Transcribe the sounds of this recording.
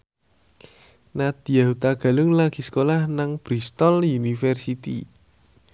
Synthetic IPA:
nad̪̥ijaɦut̪aɡ̥ä̤lʊŋlaɡ̥i̤sə̥kolahnaŋb̥ɾist̪ɔljunifɛrsit̪ḭ

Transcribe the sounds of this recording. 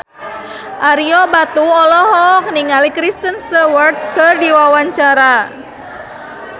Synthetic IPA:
ʔaɾiɔbat̪uɔlɔɦɔk̚niŋalikɾist̪ənsəwərt̪̚kɨrdiwawaɲt͡ʃaɾa

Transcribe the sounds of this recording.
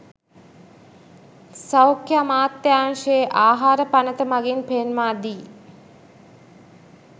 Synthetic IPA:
sawkʰjamaːt̪ːjaːŋʂəeʔaːɦaːɾəpanət̪əmaɡinpeːnmaːd̪iː

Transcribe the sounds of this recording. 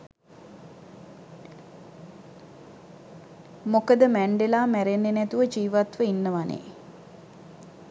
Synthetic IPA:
mokəd̪əmæɳɖelaːmæɾenːenɛt̪uʋəd͡ʒiːʋat̪ʋəinːəʋanḛː

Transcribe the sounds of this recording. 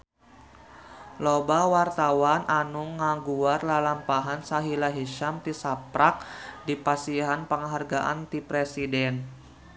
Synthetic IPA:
lobawart̪awanʔanuŋːaɡuarlalampaɦansaɦilaɦiʃamt̪isapɾak̚dipasiɦanpəŋaɦarɡaʔa̰nt̪ipɾɛsidɛn

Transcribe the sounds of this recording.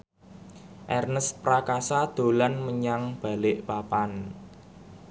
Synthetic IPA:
ʔɛrnəspɾakasad̪̥o̤lanməɲaŋb̥a̤lɪʔpapan

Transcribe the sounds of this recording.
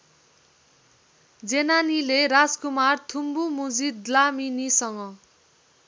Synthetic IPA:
d͡zenanilerad͡zkumart̪ʰumbumud͡zid̪laminisʌŋɡʌ

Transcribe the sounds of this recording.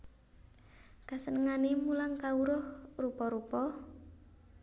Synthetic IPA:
kasənəŋanemulaŋkauɾɔhrupɔɾupɔ

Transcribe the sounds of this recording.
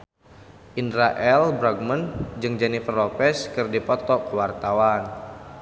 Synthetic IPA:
ʔinɾaʔɛlbɾaɡ̚mənd͡ʒɨŋd͡ʒɛnifərlɔpɛskɨrdipɔt̪ɔkəwart̪awan

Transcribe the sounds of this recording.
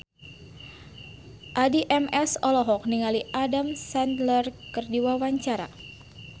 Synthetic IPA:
ʔadiʔɛmɛsɔlɔɦɔk̚niŋaliʔadamsandlərkərdiwawaɲt͡ʃaɾa̰

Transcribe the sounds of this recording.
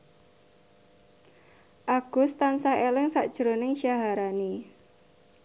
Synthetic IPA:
ʔaɡ̥ʊ̤st̪ansaelɪŋsaʔd̥ʒ̥əɾonɪŋʃaɦaɾani

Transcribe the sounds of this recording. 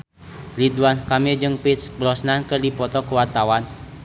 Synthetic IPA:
liduankamid͡ʒɨŋpit̪sbɾɔsnankɨrdipɔt̪ɔkəwat̪awan

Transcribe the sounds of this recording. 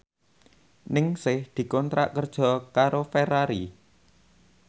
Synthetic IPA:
nɪŋsɪhd̪̥i̤kɔnt̪ɾa̰ʔkərd̥ʒ̥ɔ̤kaɾofeɾaɾi

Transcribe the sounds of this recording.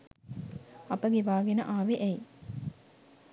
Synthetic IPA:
ɐpəɡeʋaːɡenəʔaːʋeʔæj

